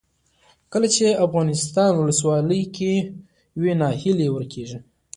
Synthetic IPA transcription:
kəlat͡ʃeafɣɑnɪst̪ɑnwʊləswɑləjke | wenɑhɪlewəɾkʰeʐi

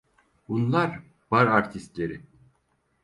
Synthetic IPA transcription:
bunlˠaɾ | b̥aɾaɾt̪ʰist̪lʲe̞ɾɪ

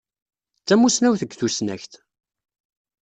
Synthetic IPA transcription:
t͡sːæmːusnæwθəɡːθusnæ̰çt̪

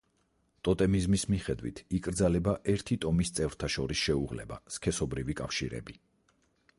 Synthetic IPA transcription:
t̪ʼɔt̪ʼɛmizmismiχɛd̪wḭt̪ʰikʼɾd̪zalɛbaʔɛɾt̪ʰit̪ʼɔmist̪sʼɛvɾt̪ʰaʃɔɾisʃɛuʁlɛ̰ba̰skʰɛsɔbɾivikʼafʃḭɾɛ̰bi

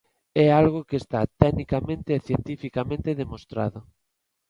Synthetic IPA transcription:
ɛalɣ̞okeest̪at̪ɛnikamẽnt̪eːθjent̪ifikamẽnt̪eðemost̪ɾa̰ðʊ

